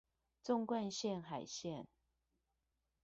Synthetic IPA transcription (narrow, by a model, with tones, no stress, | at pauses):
t͡sʊ˥˧ŋkwa˥˧nɕjɛ˥˨nxa˨˩ɪɕjɛ˥˨n